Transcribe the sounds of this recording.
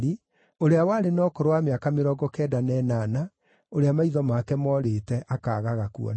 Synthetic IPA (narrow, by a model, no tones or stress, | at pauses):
i | oɾeawaɾenɔkoɾowameakameɾɔɡɔkɛdanɛːnana | oɾeamaiðɔmakɛmɔɾetɛʔakaːɣaɣakuɔ̰